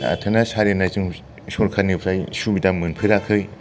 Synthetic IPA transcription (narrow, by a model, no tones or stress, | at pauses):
a̰tʰɯnasaɾenazɯŋ | sɔɾkʰanɯpʰɾajsubidamɯnpʰɯɾakʰɯj